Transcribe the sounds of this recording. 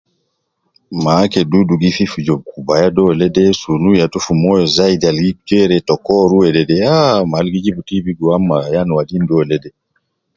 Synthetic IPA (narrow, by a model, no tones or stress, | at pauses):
makɛduduɡififud͡ʒɔb̚kubajadɔlɛdɛsunujatufumɔjɔzaidialɡikud͡ʒɛɾɛtɔkɔɾuwɛdɛdɛamalɡid͡ʒibutibiɡuamːajanwadindɔlɛdɛ